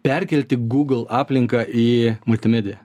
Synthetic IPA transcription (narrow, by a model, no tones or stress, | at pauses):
pʲɛɾʲkʲɛlʲt̪ʲɪɡuːɡlˠɑːpʲlʲɪŋkɑʔiːmʊlʲt̪ʲɪmʲɛd̪ʲɪjɛ